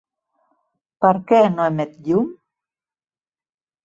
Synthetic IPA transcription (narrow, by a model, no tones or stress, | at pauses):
paɾkenoemet̪jum